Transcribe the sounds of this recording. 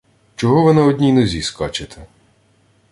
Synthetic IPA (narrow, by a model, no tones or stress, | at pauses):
t͡ʃɔɦɔʋɪnɐɔd̪ʲnʲijnɔzʲiskɑt͡ʃɪt̪ʰɛ